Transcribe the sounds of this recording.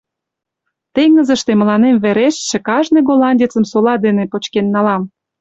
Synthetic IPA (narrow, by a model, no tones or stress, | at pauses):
t̪eŋnə̆zə̆ʃt̪emə̆lɑnemβeɾeʃːĕkɑʒneɣolɑnʲdʲet͡sə̆msolɑd̪enepot͡ɕkenːɑlɑm